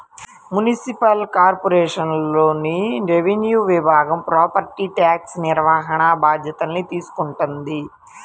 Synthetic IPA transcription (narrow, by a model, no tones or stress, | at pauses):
munisipɐlkaːɾpoɾeːʂɐnlo̞ːniɾeʋenjuːʋibʱaːɡɐmpɾaːpɐɾʈiʈaːksniɾʋaːɦɐɳɐbʱaːd̪ʱjɐt̪ɐnːit̪iːsu̥kuɳʈund̪i